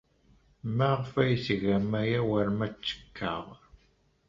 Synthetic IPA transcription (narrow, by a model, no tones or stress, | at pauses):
mæʁfæjθɣæmæjæwəɾmæt͡sːə̥kʰːə̰ʁ